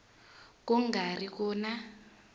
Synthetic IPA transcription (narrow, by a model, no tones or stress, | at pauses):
kuŋɡarikɔːna